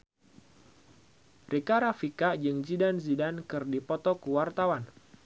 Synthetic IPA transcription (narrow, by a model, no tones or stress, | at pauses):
rikaɾafikad͡ʒɨŋd͡ʒidanzidankɨrdipɔt̪ɔkuwart̪awan